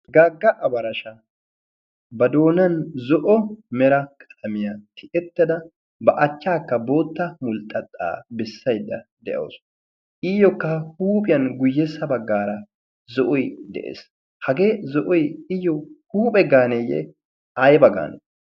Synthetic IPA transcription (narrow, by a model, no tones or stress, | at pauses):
ɡaːɡːɐʔɐbɐɾɐʃɐ | bɐd̪o̞ːnɐnzɔʔɔmɛɾɐkʰʼɐ̥t̪ʰɐmɪjat̪ːɪ̥ʔɛt̪ːɐd̪ɐ | bɐʔɐt͡ʃːaːkːɐbo̞ːt̪ːɐmʊlt̪ʼːɐt̪ʼːa̰ːbɛsːɐjd̪ːɐd̪ɛʔɐ̰ːs | ʔijɔkːɐhuːpʼɪjɐnɡʊjːɛsːɐbɐɡːaːɾɐ | zɔʔɔjd̪ɛ̰ʔḛːs | hɐɡe̞ːzɔʔɔjɪjːɔhuːpʼɛɡaːnejɛ̰ | ɐjbɐɡa̰ːnɛ